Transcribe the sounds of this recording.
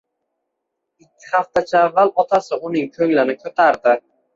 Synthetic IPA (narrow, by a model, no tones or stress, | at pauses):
ɪkʲʰːɪ̥haft̪at͡ʃʰaːvːalɒt̪ʰasɪʔʊnɪŋkʰɵŋlɪnɪkʰɵt̪ʰaɾd̪ɪ